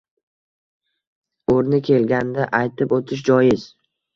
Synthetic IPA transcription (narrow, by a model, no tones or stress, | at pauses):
oɾnɪkʲʰe̞lɡʲand̪aʔajt̪ʰɪpot̪ʰɪʃ̬d͡ʒɒjɪz